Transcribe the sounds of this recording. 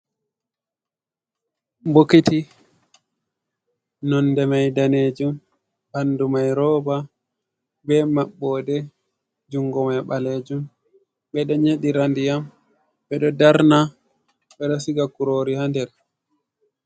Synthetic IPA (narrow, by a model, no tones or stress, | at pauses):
bokiti | nɔndɛmajdaned͡ʒum | bandumajɾɔːba | bɛmaɓːɔdɛ | d͡ʒuŋɡɔmajɓaleːd͡ʒum | bɛɗɔɲeɗiɾandijam | bɛɗɔdaɾna | ɓɛɗɔsiɡakuɾoːɾihandɛɾ